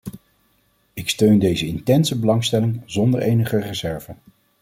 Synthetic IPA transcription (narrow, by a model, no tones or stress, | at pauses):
ɪkstøɥndejzəɪntɛnsəbəlɑŋstɛlɪŋzɔndəɹejnəχərəzɛɹvən